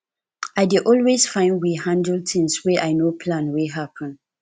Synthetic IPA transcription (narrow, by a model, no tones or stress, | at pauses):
aɪdiʔɔlwesfãɪ̃ndwihãndəltʰĩŋswɛʔaɪnopʰlãnweɦapʰə̃n